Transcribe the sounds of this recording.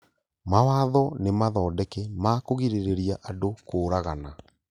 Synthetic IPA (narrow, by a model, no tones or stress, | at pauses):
mawaðɔnemaðɔːdɛkɛmakoɣiɾeɾeɾiaʔadokoːɾaɣana